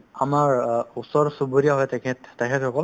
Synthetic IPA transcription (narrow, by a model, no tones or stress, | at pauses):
amaɹusɔɹsuboɹijaɦɔjtɛkʰɛttɛkʰɛthɔkɔl